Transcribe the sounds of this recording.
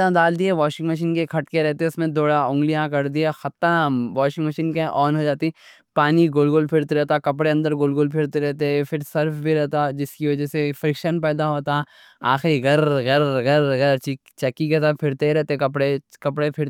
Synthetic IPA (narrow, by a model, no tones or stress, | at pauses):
ãd̪aːld̪iaʋaːʃɪ̃ŋɡmɐʃ̬iːnkekʰɐʈkeɾɛɦt̪eʊsmẽd̪oːɽaʊ̃ŋɡlijãkɐɾd̪iaxɐt̪ːãʋaːʃɪ̃ŋɡmɐʃiːnkeʔɔːnɦod͡ʒaːt̪i | paːniɡʊlɡolpʰɪɾt̪eɾɛɦt̪akɐpɽeɐ̃nd̪əɾɡoːlɡoːlpʰɪɾt̪eɾɛɦt̪eɦɛfʰɪɾsɐɾfbʱiɾɛɦt̪ad͡ʒɪskiʋɐd͡ʒɛsefɾɪkʃənpɛːd̪aɦoːt̪aɛ | a̰ːxɾiɡɐɾɣɐɾɣɐɾɡɐɾt͡ʃikt͡ʃɛkːikesəpʰɪɾt̪eiɾɛɦt̪eɛ̃kɐpɽekɐpɽepʰɪɾt̪